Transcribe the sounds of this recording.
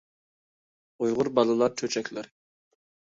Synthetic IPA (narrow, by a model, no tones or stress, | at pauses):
ujʁʊɾbɑlˠɨlˠɑɾt͡ʃʰøt͡ʃʰɛkʲlɪɾ